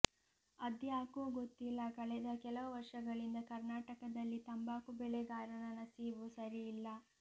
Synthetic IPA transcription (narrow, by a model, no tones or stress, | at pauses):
ɐd̪jaːkuːɡot̪ːilːɐkɐɭɛd̪ɐkɛlɐʋɐʋɐɾʂɐɡɐɭind̪ɐkɐɾnaːʈɐkɐd̪ɐlːit̪ɐmbaːkubɛɭɛɡaːɾɐnɐnɐsiʋusɐɾijːlːɐ